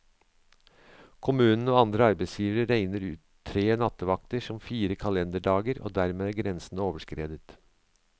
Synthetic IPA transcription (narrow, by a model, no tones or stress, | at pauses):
kʰʊmʉːnn̩əoːɑnd̪ɾəɑɾbæɪsjiːʋəɾəɾæɪnəɾʉːt̪ʰːɾeːnɑt̪əʋɑk̚t̪əʂɔmfiːɾəkʰɑlɛnd̪əɖɑːɡəɾo̰ːd̪æɾmeːæɡɾɛnsn̩oːʋəʂkɾeːd̪ət̪